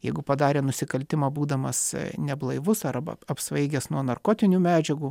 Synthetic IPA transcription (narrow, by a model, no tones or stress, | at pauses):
jɛɪɡʊpɐd̪ɑːɾʲeːnʊsʲɪkɐlʲt̪ʲɪmɑːbuːd̪ɐmɐsnʲɛblˠɐɪʋʊsɐɾbɐ̰ɐpsʋɐɪɡʲɛsnuɔnɐrkoːt̪ʲɪnʲuːmʲæːd͡ʒʲɛɡuː